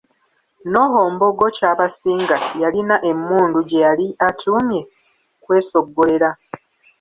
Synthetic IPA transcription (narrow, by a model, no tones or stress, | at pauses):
no̞ɦo̞ːmbo̞ɡo̞caːβasiːŋɡajalinaʔe̞mːuːnduɟe̞jaliatʰuːmje̞ | kwe̞ːso̞ɡːo̞le̞ɾa